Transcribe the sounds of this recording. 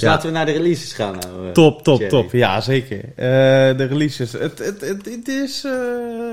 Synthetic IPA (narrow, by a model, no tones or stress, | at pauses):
jlaːtəʋənadərəlisəsχa̰ːn̰tɔptɔptɔpja̰zeːkərədərəlisəsətətəttɪsə